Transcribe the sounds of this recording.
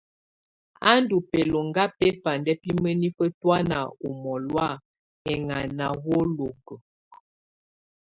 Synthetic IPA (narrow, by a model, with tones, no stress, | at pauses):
a˦ndu˨pɛ˨lo˨ŋɡa˦pɛ˦fa˨ndɛ˦pi˦mə˦ni˦fə˦twa˦na̰˨u˨mɔ˨lwa˦ | ɛ˨ŋa˨na˨wo˦lo˨kə˨